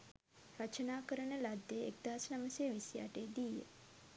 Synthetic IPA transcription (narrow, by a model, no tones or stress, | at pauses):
ɾət͡ʃənaːkəɾəɳəlad̪ːjeek̚d̪aɦsnaməsejəʋisja̰ːʈeːd̪ijḛ